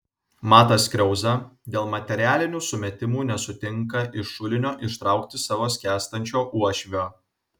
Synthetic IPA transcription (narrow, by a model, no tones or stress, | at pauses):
mɑːt̪ɐsʲkʲɾʲɛʊzɐd̪ʲeːlˠmɐt̪ʲɛɾʲæːlʲɪnʲuːsʊmʲɛt̪ʲɪmuːnʲɛsʊt̪ʲɪŋˑkɐʔɪʃʊlʲɪnʲoːʔɪʃt̪ɾɑˑʊkt̪ʲɪsɑːʋoːsʲkʲæːst̪ɐnʲt͡ʃʲoːʔuɔʃʲʋʲoː